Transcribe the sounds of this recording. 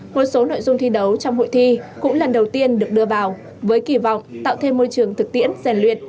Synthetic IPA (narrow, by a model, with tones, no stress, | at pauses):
mo˨˩t̚so˨˦no̰˧˨jzʊ˧ŋ͡mt̪ʰi˧ɗə˨˦wt͡ɕɔ˧wŋ͡mho̰˧˨jt̪ʰi˧kʊ̰˧˥ŋ͡mlə˨˩nɗə˨˩wt̪i˧ənɗɨ˨˩ək̚ɗɨ˧əvaː˨˩w | vəː˨˦jki˧˩vɔ̰˧˨wŋ͡mt̪a̰ː˧˨wt̪ʰe˧mːo˧jt͡ɕɨ˨˩əŋt̪ʰɨ˨˩k̚t̪ḭ˧˥ənzɛ˨˩nlwḭ˧˨ən̚